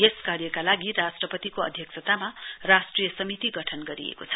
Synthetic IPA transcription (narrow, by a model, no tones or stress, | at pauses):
jeskaɾjʌkalaɡirasʈrʌpʌt̪ikoʌ̰d̪ʱjʌksʰʌt̪amarasʈrijʌsʌmit̪iɡʌʈʰʌnɡʌɾḭḛkot͡sʰʌ̥